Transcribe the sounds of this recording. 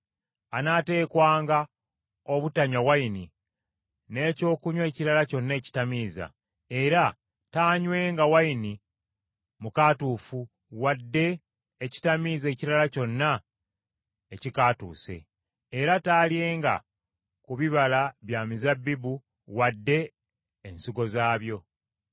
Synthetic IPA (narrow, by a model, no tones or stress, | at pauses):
anate̞ːkwaːŋɡa | o̞βutaɲawajini | ne̞ːco̞ːkuɲwe̞ːciɾalaco̞nːe̞ːci̥tamiːza̰ | e̞ɾa | taːɲwe̞ːŋɡawajini | mukatuːfu | wadːe̞ː | ci̥tamiːze̞ːciɾalaco̞nːa | ecikatṵːse̞̰ː | ɾataːlje̞ːŋɡa̰ | kuβiβalaβjaːmizabːibu | wadːe̞ː | nsiɡo̞zaːβjo̞